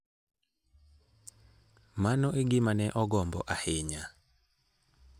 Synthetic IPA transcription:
manɔʔeɡɪmanɛʔɔɡɔmbɔ̰ʔahɪɲa

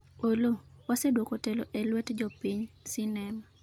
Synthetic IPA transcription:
olowasedwokoteloʔɛlwɛtd͡ʒɔpiɲsɪnɛma

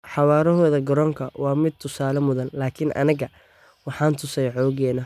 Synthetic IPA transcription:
ħɑwaːɾɔɦɔːðɐɡɐɾɔːŋkʰɐwɑːmɪd̪̚t̪ʰʊsaːlɐmʊðɐnlaːkʰɪnʔɐ̰nɪɣɐ | wɑħɑːnt̪ʰʊsɛjʕɔːɣɛːnɐ

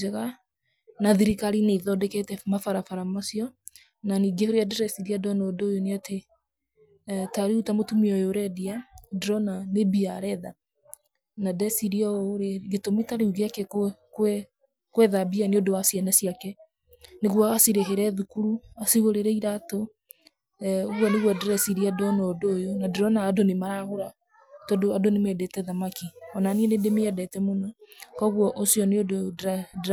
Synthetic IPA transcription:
ɛɣa | naðiɾikaɾineðɔdɛketɛmafaɾafaɾamasiɔ | naniːɡehoɾeadɾɛsiɾiadɔnodojoneate | taɾeutamotumiɔjoɾɛdiadɾɔnanebiaɾɛða | nadɛsiɾiɔɾeɡetomitaɾeuɣeakɛkwɛ | kwɛðabianeodowasiɛnasijakɛ | neɣwɔasiɾeɦeɾɛðukuɾuasiɣoɾeɾɛiɾato | oɣwɔneɣwɔdɾɛsiɾiadɔnɔdoːjonadeɾɔnaːdonemaɾaɣoɾa | tɔdoadonemɛdetɛðamakiɔnaniɛnedemeɛdɛtɛmonɔkɔɣwɔʔosjɔneod

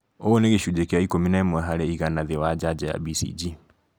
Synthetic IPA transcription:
ooneɣeʃud͡ʒɛkeaikominaɛmwɛɦaɾɛiɣanaðewad͡ʒad͡ʒaja̰bisḭd͡ʒi

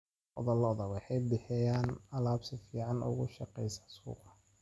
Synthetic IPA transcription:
ʔɔ̰ðɔlɔːðɐwɑħɑjbɪħɛjaːnɐlaːbsɪfiːʕɑnʔʊ̰ɣʊʃɑqɛjsḁsṵːqɑ

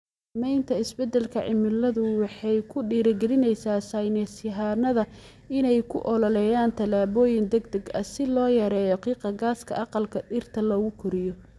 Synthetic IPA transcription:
mɛjnt̪ʰɐɪsbɛd̪ɛlkʰɐʕɪ̰mɪlːɐðʊwɑħɑjkʰʊɖiːɾɐɡɛlɪnɛjsaːsajnɛsɪɦaːnɐðɐ | ɪnɛjkʰʊ̰ʔɔlɔlɛjaːnt̪ʰɐlaːβɔːjɪnd̪ɛɡd̪ɐɡɐ̰sɪlɔːjɐɾɛːjɔqiːqɑɡaːskʰɐ̰ɑqɑlkʰɐɖɪrt̪ʰɐlɐɣʊkʰʊɾɪjɔ

